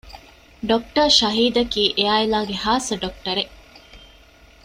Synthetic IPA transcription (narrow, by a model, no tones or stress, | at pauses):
ɖok̚ʈɐɾʃɐɦiːd̪ɐkiːʔeaːilaːɡehaːsɐɖok̚ʈɐɾe